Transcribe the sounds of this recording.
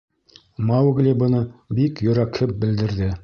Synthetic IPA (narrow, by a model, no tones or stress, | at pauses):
mɑwɡlʲibɤ̆nɤbikjɵ̆ɾækhɘp̚bɘ̆ld̪ɘ̆ɾðɘ